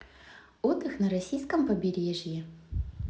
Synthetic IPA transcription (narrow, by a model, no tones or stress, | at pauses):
od̪ɨxnɐɾɐsʲijskəmpəbʲɪɾʲeʐjɪ